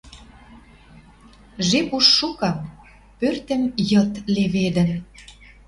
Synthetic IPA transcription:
ʒepuʃːukɑm | pørt̪ə̆mjɤ̆t̪leβed̪ə̆n

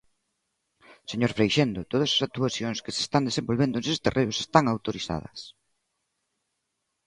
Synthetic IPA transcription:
seɲoɾfɾejʃend̪ot̪oð̞ɐsḁsak̚t̪uaθjoŋskɪse̥st̪and̪esẽmbolβend̪ʊnsest̪erʔeɾʊsest̪aŋawt̪oɾiθa̰ð̞ɐ̰s

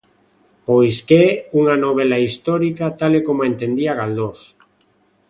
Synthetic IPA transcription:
pojskɛuŋanoβ̞elaist̪ɔɾikat̪alekomoent̪end̪iaɣald̪os

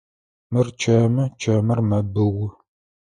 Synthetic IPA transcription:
mɨrt͡ʃʰɐmɨt͡ʃʰɐmɐrmɐbɨwʊ

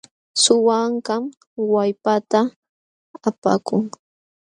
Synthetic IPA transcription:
sʊwaɴɢɑm | wajpat̪aː | pa̰kʊŋ

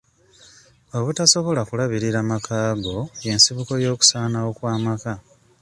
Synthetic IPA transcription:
oβutaso̞βo̞lakulaβiɾiɾamakʰaːɡo̞je̞nsiβuko̞jo̞ːku̥saːnao̞kwaːmaka

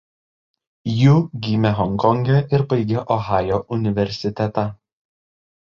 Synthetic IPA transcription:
juːɡʲiːmʲɛɦɔŋkɔŋʲɡʲɛʔɪɾbɐɪɡʲeʔɔɣɑːjoʔʊnʲɪʋʲɛɾʲsʲɪt̪ʲɛt̪ɑ

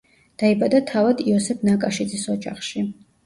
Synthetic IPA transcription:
d̪̥aibad̪at̪ʰavad̪iɔsɛpʰnakʼaʃid̪zisɔd͡ʒa̰χʃi

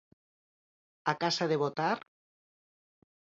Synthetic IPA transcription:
akasaðeβot̪aɾ

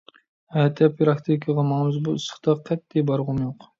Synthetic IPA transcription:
ɛt̪ʰɛpɾɑkt̪ʰikʰəʁɑmɑŋɨzbuɨsə̥χt̪ɑqʰɛt̪ːibɑɾʁʊmjoq

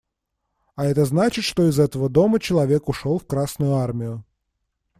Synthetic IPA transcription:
aɛt̪əznat͡ɕɪt̪ʂt̪o̞ɪzɛt̪əvəd̪o̞mət͡ɕɪlˠɐvʲe̞kʊʂolˠfkɾasnʊjʊarmʲɪjʊ

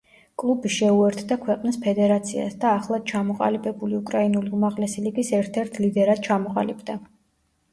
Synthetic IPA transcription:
kʼlˠubiʃɛuɛɾt̪ʰd̪akʰwɛqʼnispʰɛd̪ɛɾat̪sʰia̰sd̪aːχlˠad̪̥̚t͡ʃʰamɔqʼa̰libɛbuliukʼɾainuliumaʁlɛsiliɡisɛɾt̪ʰɛɾt̪ʰlid̪ɛɾad̪̥̚t͡ʃʰamɔqʼa̰libd̪a

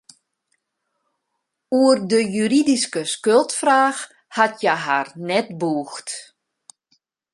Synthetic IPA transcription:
uərdəjyɾidiskəskølˠtfraːx | hatʰjɛɦa̰rnɛtbuːxt

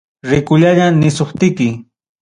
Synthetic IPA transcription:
ɾɪkʊʎaʎanɪsoχt̪ɪkɪ

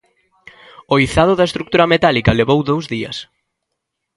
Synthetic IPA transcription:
oiθaðʊðɐest̪ɾuk̚t̪uɾɐmet̪alikɐleβowðowzðiɐ̰s

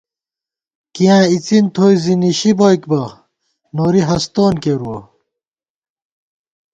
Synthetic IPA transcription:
kijãːit͡sint̪ʰoːiziniɕiboikbɐ | noːɾiɦɐst̪oːnkeɾuɐ

